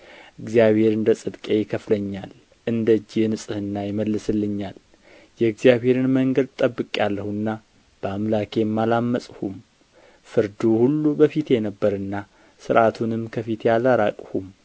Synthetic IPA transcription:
ʔɨɡzijaβhe̞ɾɨnd̪əsʼɨd̪kʼejɪkʰəfləɲːal | ʔɨnd̪əd͡ʒːinɨsʼɨhɨnːajɪməlːɨsɨlːɨɲːal | jɛɨɡzijaβhe̞ɾɨnməŋɡəd̪̚t̪ʼəbːɨkʼjalːəhuɨnːa | b̥əamlakʰejɛmːalamːəsʼhum | fɨɾd̪uhulːubəfit̪jɛnəbːəɾɨnːa | sɨɾʔat̪ʰunɨmkʰəfit̪jalaɾakʼhum

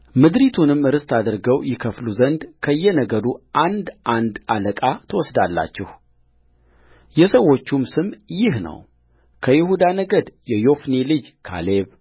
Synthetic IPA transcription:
mɨd̪ɾit̪ʰunɨmɨɾɨst̪ʰad̪ɨɾɡəwjɪkʰəfluzənd̪kʰəjːɛnəɡəɾuʔand̪ʔand̪aləkʼat̪ʰəwɔsd̪alːa̰t͡ʃːɛh | jɛsəwːo̞t͡ʃːumsɨmjɪhnə̰w | kʰəjɪhud̪anəɡəd̪jɛjo̞fnilɨd͡ʒkʰa̰leβ

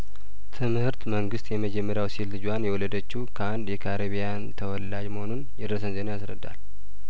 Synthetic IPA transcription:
t̪ʰɨmhɨɾt̪məŋɡɨst̪jɛməd͡ʒɛmːəɾjawsilːɨd͡ʒwanjɛwɔlːəd̪ət͡ʃːukʰəand̪jɛkʰaɾeβijant̪ʰəwɔlːad͡ʒməho̞nunjɛd̪əɾs̬ənze̞najasɾə̰d̪ːa̰l

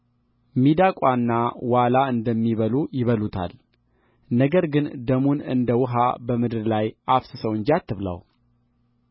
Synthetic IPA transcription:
mid̪akʼwanːawalaɨnd̪əmːiβəlujɪβəlut̪ʰa̰l | nəɡəɾɡɨnd̪əmunɨ̰nd̪əwʊɦa̰bəmɨd̪ɨɾlajafsɨsəwɨnd͡ʒat̪ʰːɨβlə̰w

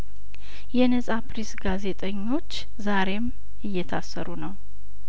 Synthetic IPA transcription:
jɛnəsʼapɾisɡaze̞t̪ʼəɲːo̞t͡ʃː | zaɾe̞m | ɨjːɛt̪ʰasːəɾunəw

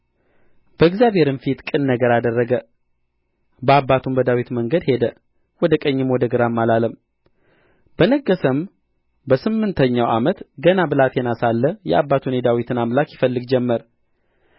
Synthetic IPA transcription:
b̥əɨɡzjaβeɾɨnfit̪kʼɨnːəɡəɾad̪ərːəɡə | bəabːat̪ʰumbəd̪awit̪məŋɡəd̪he̞d̪ə | wɔd̪əkʼəɲːɪmwɔd̪əɡɨɾamːalaləm | b̥ənəɡːəsəm | bəsɨmːɨnt̪ʰəɲːawamət̪ɡənabɨlat̪jɛnasalːəjɛ̰ʔabːat̪ʰuned̪awit̪ʰɨnamlakjɪfəlːɨɡd͡ʒɛmːəɾ

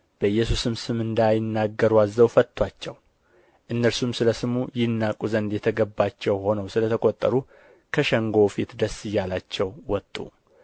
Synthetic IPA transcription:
b̥əɨjːɛsusɨmsɨmɨnd̪ajɪnːaɡːəɾuazːəwfət̪ʰʼːwat͡ʃːɛw | ʔɨnːəɾsumsɨləsɨmujɪnːakʼuzənd̪jɛt̪ʰəɡəbːat͡ʃːɛwho̞nəwsɨlət̪ʰəkʼot̪ʼːəɾu | kʰəʃɛŋɡo̞fit̪d̪əsɨjːalat͡ʃːɛwwɔt̪ʼːṵ

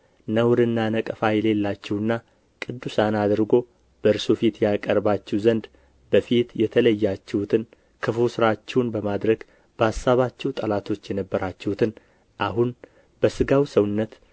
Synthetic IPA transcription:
nəwɾɨnːanəkʼəfajɛle̞lːat͡ʃːɛwɨnːa | kʼɨd̪ːusanad̪ɨɾɡo̞ | b̥əɨɾsofit̪jakʼəɾbat͡ʃːɛwzənd̪ | bəfit̪jɛt̪ʰələjːat͡ʃːɛhut̪ʰɨn | kʰɨfusɨɾat͡ʃːɛwnbəmad̪ɾəɡ | b̥əasːaβat͡ʃːɛwt̪ʼəlat̪ʰo̞t͡ʃːjɛnəbːəɾat͡ʃːɛhut̪ʰɨn | ʔaɦun | bəsɨɡawsəwʊnːət̪

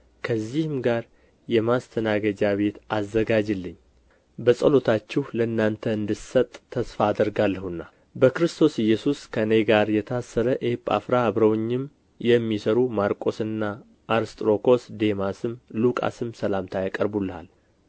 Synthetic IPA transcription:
kʰəzːihɨmɡaɾ | jɛmast̪ʰənaɡəd͡ʒaβe̞t̪azːəɡad͡ʒɨlːɨɲː | bəsʼəlo̞t̪ʰat͡ʃːɛhləɨnːant̪ʰəɨnd̪ɨsət̪ʼʰːəsfaːd̪əɾɡalːəhɨnːa | bəkɾɨst̪ʰo̞sjːɛsuskʰənejɡaɾjɛt̪ʰasːəɾəʔepʼa̰fɾaːβɾəwɲːɪm | jɛmːisəɾumaɾkʼo̞sɨnːa | ʔːɾst̪ʼɾo̞kʰo̞sd̪e̞masɨmlukʼa̰sɨmsəlamt̪ʰajakʼəɾbulːəha̰l

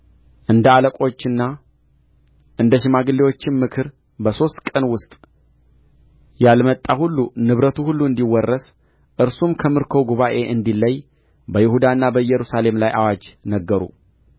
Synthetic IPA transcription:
ʔɨnd̪əaləkʼo̞t͡ʃːɪnːa | ʔɨnd̪əʃɪmaɡɨlːewo̞t͡ʃːɪnmɨkʰɨɾ | bəso̞st̪kʼənwʊst̪ʼ | jalmət̪ʼːahulːunɨβɾət̪ʰuhulːuɨnd̪iwɔrːəs | ʔɨɾsumkʰəmɨɾkʰo̞ɡuβaʔe̞ʔɨnd̪ilːəj | bəjɪhud̪aɨnːabəjːɛɾusale̞mlajʔawad͡ʒnəɡːəɾṵ

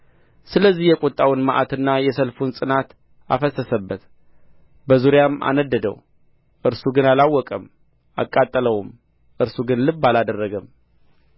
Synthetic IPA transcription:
sɨləzːihjɛkʷʼot̪ʼːawnmaʔat̪ɨnːajɛsəlfunsʼɨnat̪ | a̰fəsːəsəbːət̪ | bəzuɾjama̰nəd̪ːəd̪ə̰w | ʔɨɾsuɡɨnalawːɔkʼəm | a̰kʼːat̪ʼːələwum | ʔɨɾsuɡɨnlɨbːalad̪ərːəɡəm

